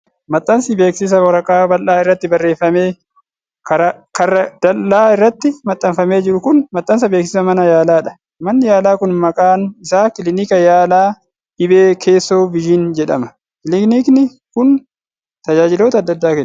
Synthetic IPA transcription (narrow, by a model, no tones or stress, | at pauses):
mɐt̪ʼːɐnsɪbe̞ːksɪs̬ɐwɔɾɐkʼaːbɐlːaːɪrːɐt̪ːɪbɐrːe̞ːfːɐme̞ː | kɐɾɐkɐrɐd̪̥ɐlːaːɪrːɐt̪ːɪmɐt̪ʼːɐnfɐme̞ːd͡ʒɪɾʊkʊnmɐt̪ʼːɐns̬ɐbe̞ːksɪsɐmɐnɐjaːlaːᶑɐ̥ | mɐnːɪjaːlaːkʊnmɐkʼaːnɪsaːkɪlɪnɪkɐjaːlaː | ʔɪbe̞ːkʰe̞ːsːo̞ːbɪʒɪnd͡ʒɛᶑɐmɐ | kɪlɪkniːknɪ | kʊn | t̪ɐd͡ʒaːd͡ʒɪlo̞ːt̪ɐd̪ːɐd̪ːaːkɛn